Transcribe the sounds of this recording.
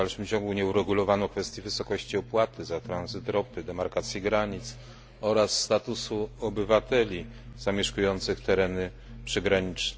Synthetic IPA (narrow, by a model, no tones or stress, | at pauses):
alʂɘmt͡ɕɔŋɡuɲɛuɾɛɡulɔvanɔkfɛst̪ʲjivɘsɔkɔɕt͡ɕiɔpwat̪ɘzat̪ɾanzɘt̪ɾɔpɘd̪ɛmaɾkat̪sʲjiɡɾaɲit̪s | ɔɾasːt̪at̪usuɔbɘvat̪ɛlʲi | z̥amʲjɛʂkujɔnt̪sɘxt̪ɛɾɛnɘ | pʂɘɡɾaɲit͡ʂnɛ